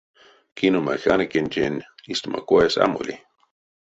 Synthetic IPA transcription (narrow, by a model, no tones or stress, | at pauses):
kinumaxanakent͡ʃenist̪umʔakʷaesa̰moli